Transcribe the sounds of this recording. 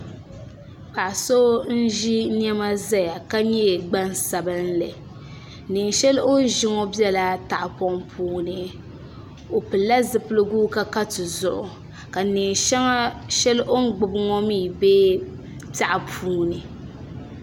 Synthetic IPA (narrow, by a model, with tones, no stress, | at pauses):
pa˨ʔso˦n̩˦ʒi˦n˦ɛ˦ma˦za˦ja˨ka˦ɲɛ˦˨ɡ͡ba˦nsa˨bɨ˦n˦lɨ˨ | nɨ˨ŋ˨ʃɛ˦lo˦ʒɪ˦ŋɔ˦bjɛ˦la˨ta˨ʔpɔ˦ŋpʰuː˦nɨ˦ | o˨pɨ˨la˦zɨ˨pɨ˦lɨ˦ɡuː˦ka˦ka˦tɨ˨zʊ˨ʔʊ˨ | ka˨nɨ˨ŋʃa˦ŋa˦ʃɛ˦lʔo˦ŋ˦ɡ͡bɨ˨bɨ˦ŋɔ˦mi˦˨be˦ | ta˨ʔa˨pʰuː˦nɨ˨